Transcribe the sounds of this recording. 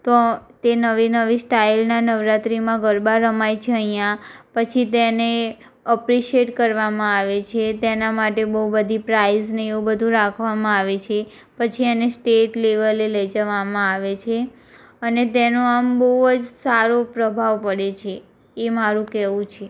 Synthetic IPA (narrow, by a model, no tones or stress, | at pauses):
t̪ot̪enəʋinəʋisʈailnanəʋɾat̪ɾimãɡəɾbaɾəmajt͡ʃʰeəɦijãpət͡ʃʰit̪ene | əpɾiʃeʈkəɾʋamãaʋet͡ʃʰet̪enamaʈebəɦubəd̪ʱipɾaizneeubəd̪ʱũɾakʰʋamãaʋet͡ʃʰe | pət͡ʃʰienesʈeʈleʋəleləid͡ʒəʋamãaʋet͡ʃʰe | ənet̪enoambəɦuəd͡ʒsaɾopɾəbʱaʋpəɽet͡ʃʰeː | maɾũkɛʋũt͡ʃʰe